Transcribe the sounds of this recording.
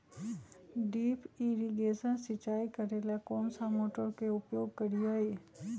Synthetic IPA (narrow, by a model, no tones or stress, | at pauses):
ɖiːpiːɾiɡeːsənsɪt͡ʃaːikəɾeːlakɔːnsamoːʈəɾkeʊpjoːɡ̚kəɾijaːeː